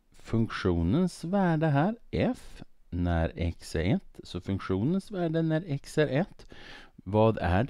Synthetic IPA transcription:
fɵŋkɧuːnənsvæːɖəɦæːɾʔɛf | næɾɛ̰ksḛɛt̪ːsɔfɵŋkɧuːnənsvæːɖənæɾɛksɛɾʔɛt̪ːvɑːd̪æ̰ɖ

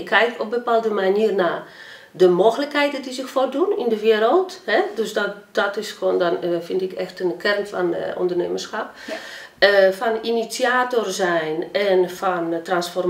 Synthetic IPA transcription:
kʰːɛjk̚tɔb̚bəpaːlˠdəmaniːərnaː | dəmoːxələkhɛjtədizɪxfordunindəʋɪəɾəlˠthɛdøsdɔdɔtɪsxʋoːndɔnfɪndɪkɛxtənkʰɛrnfɔno̰ndərnḛːmərsxap̚ | əfɔninit͡sjaːtorzɛjnɛnfɔntransfɔr

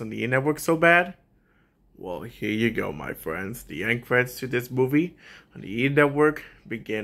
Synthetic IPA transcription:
ɨ̃n̩ðiḭnɛt̚wɜ˞ksoʊbæd̚ | wɛ̰lˠhiɹjɨɡoʊma̰ɪfɹɛ̰̃ndz̥ðḭɛ̃nkʰɹ̥ɛdz̥tʰɨðɪsmuvĩn̩ðḭinɛt̚wɜ˞kb̥ɨɡɪ̃

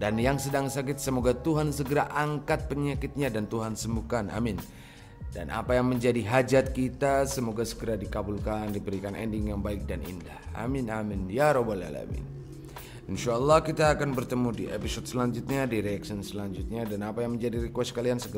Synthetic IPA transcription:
danjaŋsədaŋsak̬ɪt̪̚səmoɡat̪uɦansəɡəɾaʔaŋkat̪̚pəɲakɪt̪̚ɲadant̪uɦansəmbukana̰mɪn | da̰nʔa̰pajaŋməɲd͡ʒadiɦad͡ʒat̪̚kit̪asəmoɡasəɡəɾadikabulkandibəɾikanʔɛ̰ndɪŋjaŋbaɪk̚danḭndahʔa̰minaminjaɾɔbala̰la̰mɪ̰n | inʃaəlːɑhkit̪aːkanbərt̪əmudiʔepisɔt̪̚səlaɲd͡ʒut̪̚ɲadiɾeaksənsəlaɲd͡ʒut̪̚ɲadanapajaŋməɲd͡ʒadiɾikwɛstskaliansəɡə

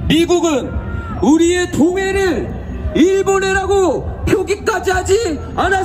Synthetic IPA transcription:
miɡuɡɯn | uɾie̞toŋe̞ɾɯɭ | iɭbone̞ɾaɡopʰjoɡik͈ad͡ʑiɦad͡ʑi | ana

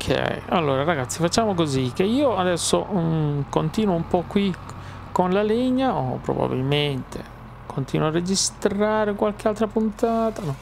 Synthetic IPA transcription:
okʰɛ̰ia̰lːoːɾaɾaɡat̪sːifat͡ʃːaːmokozik̟ːeiːoad̪ɛsːokont̪iːnwoumpɔkːwi | konlaleɲːao̰pːɾo̰ba̰bḭlment̪ʰe | kʰont̪iːnwoarːed͡ʒist̪ɾaːɾekwalk̟ealt̪ɾapunt̪aːt̪anɔ

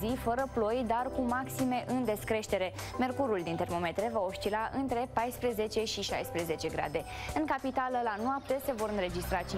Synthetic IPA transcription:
zifəɾəplo̞jd̪arkumaksime̞ʔɨnd̪e̞skɾe̞ʃt̪e̞ɾe̞ | me̞rkuɾuld̪int̪e̞rmo̞me̞t̪ɾe̞vao̞ʃt̪ilaʔɨnt̪ɾe̞pajspɾe̞ze̞t͡ʃe̞ʃiʃa̰jspɾe̞ze̞t͡ʃe̞ɡɾa̰d̪e̞ɨŋkapit̪aləlanoap̚t̪e̞se̞vo̞ɾɨnɾe̞d͡ʒist̪ɾat͡ʃi

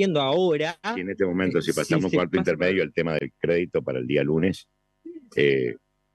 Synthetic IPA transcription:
jend̪oaoɾaieneht̪emo̞mẽnt̪osipasamokwaɾt̪oint̪eɾmeðjoalt̪emaðḛlkɾeðit̪o̞paɾaeld̪ialunes | e

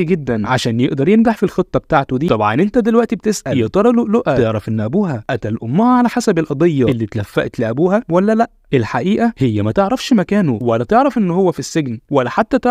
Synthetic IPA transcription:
ɡed̪ːænʕaʃæːnjeʔd̪ɑɾˤjenɡaħfilxet̪ˤːɑbet̪aːʕt̪od̪iːˤɑbʕɑ̰nʔent̪æd̪elwæʔt̪ibet̪esʔæjjet̪ɑɾˤɑloʔloʔæeʕɾɑfʔenːʔæbuːɦæʔæt̪ælʔomːohæʕalæħasæbelʔɑd̪ˤejːɑʔelːit̪læfːæʔt̪leʔæbuːhæwælːælæʔelħaʔiːʔæhejːæmæt̪eʕɾˤɑfʃmækæːnowælːæt̪eʕɾɑfʔenːhowːæfisːeɡnwælːæħat̪ːæt̪eʕ

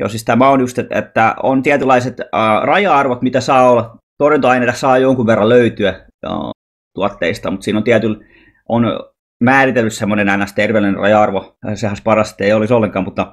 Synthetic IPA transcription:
jo̰sist̪æmɑonjust̪et̪ḛt̪ːæo̰nt̪iæt̪ylɑiset̪ːrɑjɑɑrʋot̪mit̪æsɑːolːɑt̪orjunt̪oɑineˑːt̪ɑhsɑːjoŋkuʋʋerːɑløyt̪yæ̰ | t̪uɑt̪ːḛist̪ɑmut̪siːnont̪iæt̪yl | ʔon | mæːrit̪elːyssemːonenɑinɑst̪erʋeːlinerɑ̰jɑɑrʋosehænsepɑrɑste̥t̪ːeiolisolːeŋkɑːmut̪ːɑ

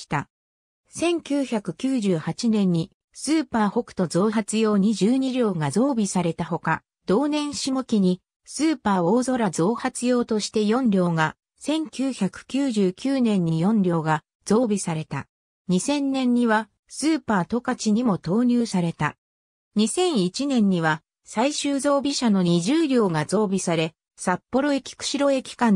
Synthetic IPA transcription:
i̥t̪a̰ | sẽ̞ŋkʲɨːçakɯ̟kʲɨːʑɨːhat͡ɕinẽ̞ɲ̟ːi | sɨːpaːho̞kɯ̟̥t̪o̞zo̞ːɦat͡sɨjo̞ːɲ̟iʑɨːɲ̟iɾʲjo̞ːɡazo̞ːbʲisaɾe̞t̪aɦo̞ka | d̪̥o̞ːnẽ̞ɰ̃ɕimokʲiɲ̟i | sɨːpaːoːzo̞ɾazo̞ːhat͡sɨjo̞ːt̪o̞ɕi̥t̪e̞jõ̞nɾʲo̞ːɡa | sẽ̞ŋkʲɨːçakɯ̟̥kʲɨːʑɨːkʲɨːnẽ̞ɲ̟ːijõ̞nɾʲo̞ːɡa | z̥o̞ːbʲisaɾe̞t̪a̰ | ɲ̟isẽ̞nːẽ̞ɲːiβa | sɨːpaːt̪o̞kat͡ɕiɲ̟imo̞t̪o̞ːɲ̟ʲɨːsaɾe̞t̪a̰ | ɲ̟isẽ̞ɰ̃it͡ɕinẽ̞ɲ̟ːiβa | saiɕɨːzo̞ːbʲiɕano̞ɲiʑɨːɾʲo̞ːɡazo̞ːbʲisaɾe̞ | sapːo̞ɾo̞e̞kʲi̥kɯ̟̥ɕiɾo̞e̞kʲi̥kã

